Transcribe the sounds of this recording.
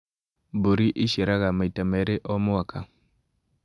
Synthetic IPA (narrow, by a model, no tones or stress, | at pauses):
boɾiʔiʃeɾaɣamaitamɛɾeʔɔmʊwaka